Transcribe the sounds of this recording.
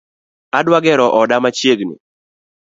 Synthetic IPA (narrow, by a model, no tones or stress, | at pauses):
adwaɡɛɾɔʔɔdamat͡ʃjeɡnḭ